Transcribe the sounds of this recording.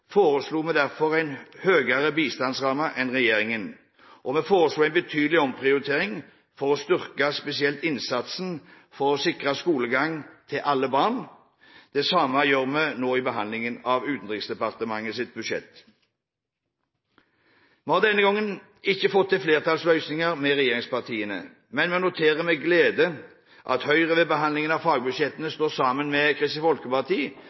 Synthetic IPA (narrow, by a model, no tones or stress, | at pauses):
foːʁəsluːmɛd̪æʁfɔʁæɪnhøːɡəʁəbiːst̪ɑnsʁɑːməʔɛnʁɛjeːʁɪŋən | ʔɔmɛfoːʁəsluːæɪnbət̪ʰyːd̪lɪɔmpʰʁɪʊʁɪt̪ʰeːʁɪŋ | fɔʁɔst̪ʏʁkəspɛsɪɛlt̪ɪnsɑt̪sn | fɔʁɔsɪkʁəskuːləɡɑŋt̪ʰɪlʔɑlːəbɑːʁn | d̪̥ɛsɑːməjøːʁmɛnoːɪbəɦɑnd̪lɪŋənɑʋʉːt̪n̩d̪ʁɪŋsd̪ɛpɑʁt̪əmɑŋːəsɪt̪̚bʉʃjɛ̰t̪ː | məhɑːd̪ɛnːəɡɔŋːən | ɪçːəfɔt̪ʰːɪlfleːʁt̪ʰɑlslœʏsnɪŋəʁmɛʁɛjeːʁɪŋspɑʁt̪ʰiːənə̰ | mɛnmːnʊt̪ʰeːʁəmɛɡleːd̪ə | ʔɑ̰t̪hœʏʁəʋɛːbəɦɑnd̪lɪŋənɑʋfɑːɡ̚bʉʃjɛt̪ːənəst̪oːsɑːmənmɛkʰʁɪst̪fɔlkəpɑʁt̪ʰiː